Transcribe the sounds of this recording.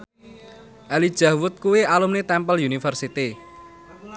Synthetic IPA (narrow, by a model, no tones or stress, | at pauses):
ʔalid̥ʒ̥ä̤wʊt̪̚kuwiʔalumnet̪ɛmpəljunifərsit̪i